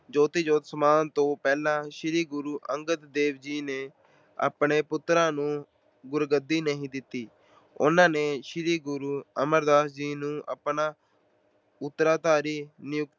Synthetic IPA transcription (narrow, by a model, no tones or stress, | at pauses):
d͡ʒoːt̪iːd͡ʒoːt̪səmaːnt̪õːpɛːlãːʃɪɾiːɡʊɾuːʔəŋɡət̪d̪eːʋd͡ʒiːneː | a̰ːpɳeːpʊt̪ːɾãːnũː | ɡʊɾɡəd̪ːiːnəɦĩːd̪ɪt̪ːiː | ʊ̰nãːneːʃɪɾiːɡʊɾuːəməɾd̪aːsd͡ʒiːnũːʔə̰pnãː | ʊt̪ːɾaːt̪aːɾiːnɪjʊk̪̚